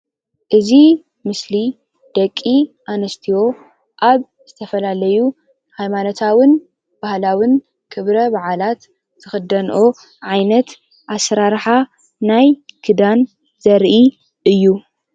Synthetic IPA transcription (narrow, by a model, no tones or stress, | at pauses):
ʔɨzi | mɨsli | d̪̥ɐkʼːiʔanɐst̪ʰiwo̞ | ʔaβ | z̥ɨt̪ʰɐfɐlalɐju | hajmanot̪ʰawɨn | b̥ahlawɨn | kʰɨβɾɐbaʕalat̪ːʰ | ɨxɨd̪ɐnʔo̞ | ʕajnɐt̪ | ʔasɾaɾħa | najkʰɨd̪an | zɐɾʔi | ʔɨjːu